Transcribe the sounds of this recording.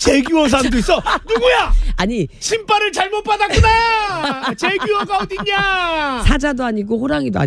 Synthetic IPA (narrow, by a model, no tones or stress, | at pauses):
t͡ɕeɡjuʌs̬ʰamdois͈ʌnuɡujaaɲiɕʰimpʰaɾɯɭt͡ɕaɭmot̚p͈adakuna | t͡ɕeɡuwʌɡaodiɲasʰad͡ʑadoaɲiɡoɸoɾaŋidoa̰